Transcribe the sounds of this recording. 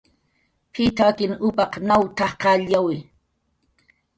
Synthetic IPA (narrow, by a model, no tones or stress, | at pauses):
pʰɪt̪aakɪnʊpɑqnawt̪ɑχqɑʎawɪ